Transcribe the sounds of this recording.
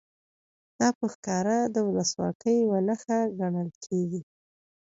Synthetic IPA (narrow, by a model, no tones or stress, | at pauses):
d̪̥ɑpəxkɑɾad̪əwʊləswɑ̰kəjwənaxaɡaɳəlkʰeɡi